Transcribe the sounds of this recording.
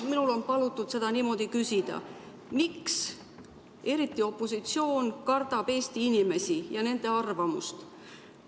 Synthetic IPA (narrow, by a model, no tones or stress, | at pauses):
minulo̞npɑlut̪ːˑud̪̥se̞d̪̥ɑniːmo̞d̪̥ikysid̪̥ɑ̰ | miks | e̞ɾit̪ːˑio̞pːˑo̞sit̪sio̞ːnkɑrd̪̥ɑb̥e̞ːst̪iinime̞sijɑne̞nd̪̥e̞ɑrvɑmṵst̪